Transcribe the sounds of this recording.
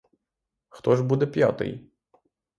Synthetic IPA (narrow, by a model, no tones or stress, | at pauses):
xt̪ɔʒbud̪ɛpʲja̰t̪ɪ̰j